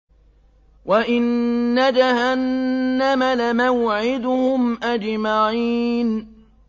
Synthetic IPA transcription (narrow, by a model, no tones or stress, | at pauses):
waʔɪnːad͡ʒahanːamalamaʊʕɪd̪ʊhʊmʔad͡ʒmaʕiːn